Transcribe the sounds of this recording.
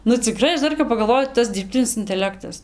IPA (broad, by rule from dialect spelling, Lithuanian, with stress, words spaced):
nʊ t͡sʲɪˈkrɐɪ ˈɐʃ ˈdɐr kɐp pɐɡɐlˠˈʋoːjʊ ˈtɐs dʲɪrʲpʲˈtʲɪnʲɪs ɪnʲtʲɛˈlʲæːktɐs